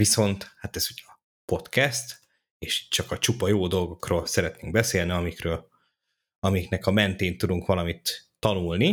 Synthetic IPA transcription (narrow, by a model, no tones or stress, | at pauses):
viso̞nt̪hat̪ɛz̥uɟɒ | po̞t̪kɛst̪ | eːʃt͡ʃɒkɒt͡ʃupɒjoːd̪o̞lɡo̞kroːlsɛɾɛt̪neːŋɡ̚bɛseːlniɒmikrøːl | ɒmiknɛkɒmɛnt̪eːnt̪ːud̪uŋkʋɒlɒmit̪ː | ɒnulni